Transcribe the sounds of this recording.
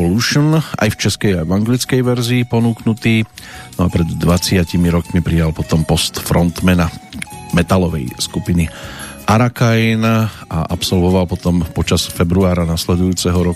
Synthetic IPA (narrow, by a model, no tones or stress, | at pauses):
ɔluʃɔna̰jft͡ʃɛskɛjajʋaŋɡlit͡skɛjʋɛɾziːpɔnuːknut̪iːnɔapɾɛd̪ːʋat͡sɪacimiɾɔkmipɾijalpɔt̪ɔmpɔst̪fɾɔnt̪mɛnamɛt̪alɔʋɛ̰jskupiniʔaɾakajnaʔapsɔlʋɔʋalpɔt̪ɔmpɔt͡ʃasfɛbɾuaːɾanaslɛd̪ujuːt͡sɛɦɔɾɔk